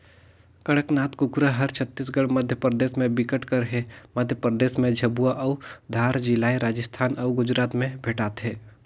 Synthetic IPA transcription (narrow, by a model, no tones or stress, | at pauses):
kɐɽəknaːt̪kʊkɾəɦɐɾt͡ʃʰət̪ːisɡəɽmɐd̪ʱjəpɾəd̪eːʃmẽbɪkəʈkəɾɦeməd̪ʱjəpɾəd̪eːsmẽd͡ʒʱɐbuaʔɔʊd̪ʱaːɾd͡ʒɪlaːiɾaːd͡ʒəst̪ʰaːnɔʊɡʊd͡ʒɾaːt̪mẽbʱeːʈaːt̪ɦɛː